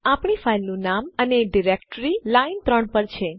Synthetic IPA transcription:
apɳifʰailnũnaməneɖiɾekʈɾilaint̪ɾəɳpəɾt͡ʃʰe

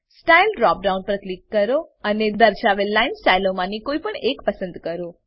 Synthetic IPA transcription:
sʈailɖɾɔk̚ɖaũnɖpɾət̪likːəɾoəned̪əɾʃaʋelːainsʈailomãnikoipəɳekpəsə̃nd̪kəɾo

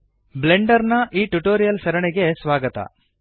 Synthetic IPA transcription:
bleɳɖɐɾnɐʔiːʈuʈoːɾijɐlsɐɾɐɳɛɡe̞sʋaːɡɐt̪ɐ̰

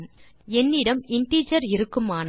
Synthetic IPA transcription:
ɛnːɪɽɐmɪɳʈiːt͡ʃɐɾɪɾɯkːɯmaːn

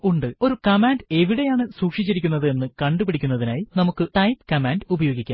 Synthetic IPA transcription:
uɳɖɨo̞ɾukɐmaːnde̞ʋiɽe̞jaːɳɨsuːkʂit͡ɕːiɾik̬ʲːunːɐðɨe̞nːɨkɐɳɖupiɽʰʱikʲːunːɐðinaːjinɐmukːɨʈɐjpkɐmaːndubɐjo̞ːɡikʲːa̰

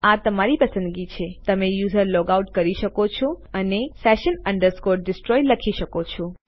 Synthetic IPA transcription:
at̪əmaɾipəsə̃nd̪ɡit͡ʃʰet̪əmẽjuzəɾlɔɡawʈkəɾiʃəkot͡ʃʰoənesɛʃənəɳɖəɾskɔɾʈ̚ɖɪsʈɾɔjləkʰiʃəkot͡ʃʰõ

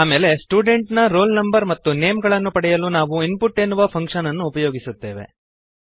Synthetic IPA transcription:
aːmeːle̞sʈuːɖe̞ɳʈnɐɾo̞ːlnɐmbɐɾmɐt̪ːune̞ːmɡɐɭɐnːupɐɽɛjɐlunaːʋuinpuʈːenːuʋɐpʰɐŋkʂɐnɐnːuːpɐjo̞ːɡisut̪ːe̞ːʋe̞̰

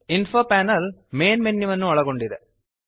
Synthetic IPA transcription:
infoːpaːnɐlmeːnmenːiʋɐnːuɐɭɐɡoɳɖid̪e

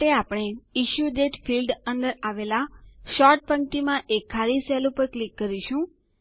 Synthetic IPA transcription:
eapɽ̃eiʃjuɖeʈfilɖənd̪əɾaʋelaʃɔɾʈ̚pə̃ŋʈimãʔekʰːaɾisɛlupəɾklikːəɾiʃũ

